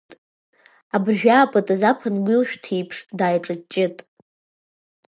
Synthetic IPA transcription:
abrʒᶣaːpʼatʼazapʰɨnɡʷilʃᶣtʰijpʰʂdaːjʈ͡ʂʼɨt͡ʃʼɪtʼ

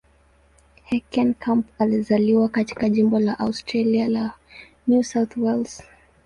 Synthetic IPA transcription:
hɛkʰɛ̃nkʰãmpalizaliwakati̥kaʄimbɔlaʔaʊstɹaliala | njusawθwɛlz̥

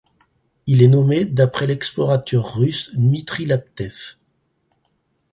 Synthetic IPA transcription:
ilɛnɔmed̪apχɛlɛksplɔʁat̪ʰœʁːysmit̪χilap̚t̪ɛf

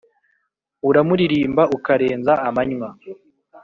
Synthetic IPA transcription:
uɾamuɾiɾiːmbaukaɾe̞ːnzaːmaɲwa

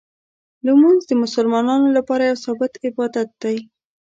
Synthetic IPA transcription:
ləmunzd̪əmʊsəlmɑnɑnolapɑɾajawsɑbɪt̪ɪbɑd̪at̪̚d̪̥aj

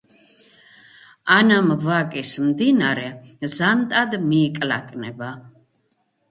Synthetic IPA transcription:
anamvakʼismd̪inaɾɛzant̪ʼad̪miːkʼla̰kʼnɛba

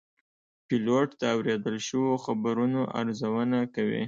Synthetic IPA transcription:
pɪloʈt̪aːwɾed̪əlʃəwoxabaɾunoʔa̰ɾzawənakawḭ

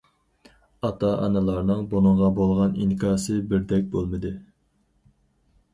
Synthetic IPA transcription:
ɑt̪ʰɑʔɑnɨlˠɑɾnɨŋbonɨɴʁɑbolˠʁɑninkʰɑːsɨbɪɾd̪ɛk̚ʲbolˠmɨd̪ɨ

